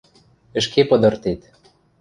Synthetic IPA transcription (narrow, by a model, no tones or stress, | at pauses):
ə̆ʃkepɤ̆d̪ɤ̆rt̪et̪